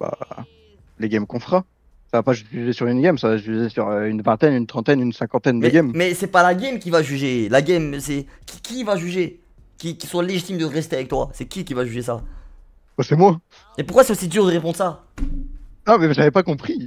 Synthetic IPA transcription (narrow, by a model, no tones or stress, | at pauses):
ba̰ | leɡʲɛmkɔ̃fχa | savapaʒvyzesyʁynɡɛmsavaʒyzesyʁøynvɛ̃t̪ɛnynt̪χɑ̃t̪ɛnynsɛ̃kɑ̃t̪ɛnd̪ɛɡʲɛmmɛsɛpalaɡɛmkʲivaʒyʒelaɡʲɛmsɛkʲi̥kʲivaʒyʒe | kʲikʲisɔ̃leʒit̪imd̪əʁɛst̪eavɛk̚t̪wa̰sɛkʲik̬ʲivaʒyʒes̬a̰ | osɛmwa | epuʁkwasɛosid̪yʁd̪əʁepɔ̃d̪ʁəsa | amɛʒavɛpakɔ̃pχi